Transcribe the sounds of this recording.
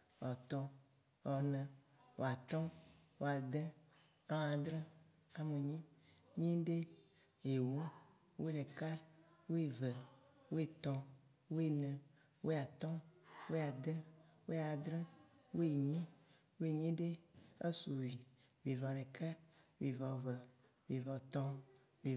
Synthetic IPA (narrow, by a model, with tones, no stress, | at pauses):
ɔ˨t̪ɔ̃˦ | ɔ˨nɛ̃˨ | wo̰˨a˨t̪ɔ̃˦wo˨a˨d̪ɛ̃˦ | ã˦˨a˨d̪ɾɛ̃˦ | a˨me˨ɲĩ˦ | ɲĩ˦ɖe˦ | e˨wo˦ | wo˦ɖe˨ka˦wo˦e˨vɛ˨ | wo˦e˨t̪ɔ̃˨ | wo˦e˨nɛ̃˨ | wʔo˦a˨t̪ɔ̃˦wo˦a˨d̪ɛ˦wo˦a˨d̪ɾẽ˦wo˦e˨ɲĩ˦ | wo˦e˨ɲĩ˦ɖe˦e˦su˨wi˨ | vi˨vɔ˨ɖɛ˨ka˦wi˨vɔ˨vɛ˨ | vi˨vɔ˨t̪ɔ̃˦ | vi˨